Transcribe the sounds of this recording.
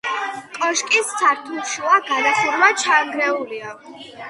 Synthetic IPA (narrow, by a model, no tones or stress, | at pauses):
kʼɔʃkʼissʰaɾt̪ʰulʃulˠaɡad̪aχuɾvat͡ʃʰaŋɡɾɛulia